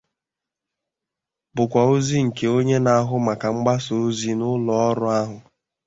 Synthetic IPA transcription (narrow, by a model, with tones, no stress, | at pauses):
bʊ˨kʷa˨o˦zi˦ŋ̩˨ke˨o˦ɲe˦na˨a˦ɦʊ˦ma˨ka˨ŋ͡m̩˦ɡ͡ba˦so˨o˦zi˦nʊ˦lɔ˨ɔ˦ɾʊ˦a˦ɦʊ˨